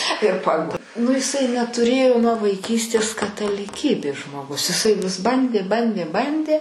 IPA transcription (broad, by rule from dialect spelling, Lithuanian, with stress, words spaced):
ɪr ˈpɐk nʊ ɪˈsɐɪ nʲɛtʊˈrʲeːjoː nuɔ ʋɐɪˈkʲiːsʲtʲeːs kɐtɐlʲɪˈkʲiːbʲeːs ʒmoːˈɡʊs ɪˈsɐɪ ʋʲɪs ˈbɐnʲdʲeː ˈbɐnʲdʲeː ˈbɐnʲdʲeː